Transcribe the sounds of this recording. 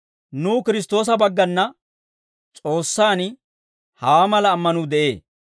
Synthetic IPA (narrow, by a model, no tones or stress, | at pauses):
nuːkɪɾɪs̬t̪o̞ːs̬ɐbɐɡːɐnːɐ | t͡sʼo̞ːsːaːn | hɐaːmɐlɐːmːɐnud̪ɛʔe̞ː